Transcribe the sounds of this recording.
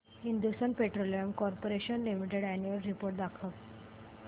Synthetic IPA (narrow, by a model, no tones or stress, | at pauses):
hind̪ust̪ənpeʈɾolijəmkɔɾpoɾeɕənlimiʈeɽænjuəlɾipoɾʈ̚d̪akʰəʋ